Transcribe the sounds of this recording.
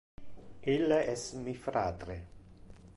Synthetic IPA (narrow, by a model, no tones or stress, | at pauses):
ilːaʔɛsmifɾaːd̪ɾe